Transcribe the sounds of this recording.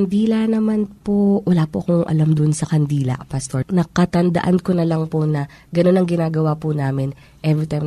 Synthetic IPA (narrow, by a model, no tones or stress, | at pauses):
ɐnd̪iːlɐnɐmanpowɐlaːpoʔɐkoŋʔɐ̰lamd̪ʊʔnsɐkɐnd̪iːlɐ̰ʔpast̪oɹnɐkɐt̪ɐnd̪ɐ̰ʔankonɐlaŋponɐ | ɡɐno̞nɐŋɡɪnaːɡɐwapʊnaːmɪn | ʔɛvɹit̪ajm